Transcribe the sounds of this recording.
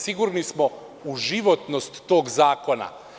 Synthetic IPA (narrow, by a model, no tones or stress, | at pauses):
siɡuɾnismo | uʒiʋot̪nost̪ːoːɡzaːko̞na̰